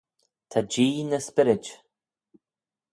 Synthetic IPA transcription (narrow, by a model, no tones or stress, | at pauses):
t̪ʰad͡ʒiːnəspɪɾɪd͡ʒ